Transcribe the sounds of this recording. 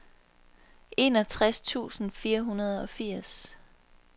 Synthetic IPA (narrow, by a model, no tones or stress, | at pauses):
ʔe̝nɒ̽t͡sʰʁast͡sʰṵːsn̩fiːɐɦunɐð̞ˠɒ̽fiɐ̰s